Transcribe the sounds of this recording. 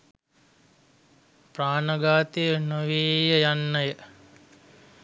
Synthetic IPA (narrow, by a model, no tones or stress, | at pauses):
praːnəɡaːt̪ejənoʋeːjəjanːəjə